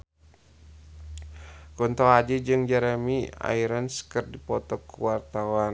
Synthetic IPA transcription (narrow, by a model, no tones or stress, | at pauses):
kɔnt̪ɔad͡ʒid͡ʒɨŋd͡ʒɛɾɛmia̰iɾanskɨrdipɔt̪ɔkuwart̪awan